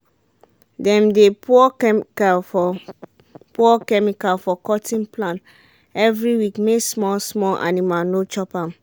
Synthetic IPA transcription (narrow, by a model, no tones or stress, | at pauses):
dɛ̃mdepʰuɔkalfɔ | pɔkɛmikalfɔkɔtʰĩnplãn | ɛvɹiwikmesmɔlsmɔlʔa̰nimalnot͡ʃɔpãm